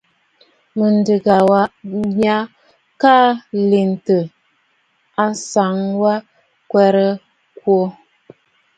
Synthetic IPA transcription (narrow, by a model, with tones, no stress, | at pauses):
mə˨ndə˨ɡa˨wa˦ma˦ | ka˦li˨n˨tə˨ | a˦sa˨ŋwa˦ | kwɛ˦ɾə˦ | kwo˦